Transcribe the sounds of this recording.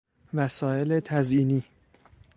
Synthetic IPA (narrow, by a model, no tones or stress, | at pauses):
væsɒːe̞let̪ʰæziːniː